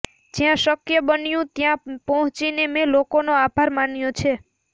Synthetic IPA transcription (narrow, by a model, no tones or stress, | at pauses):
d͡ʒjãʃəkjəbənjũt̪jãpɔɦɔ̃t͡ʃinemelokonoabʱaɾmanjõt͡ʃʰe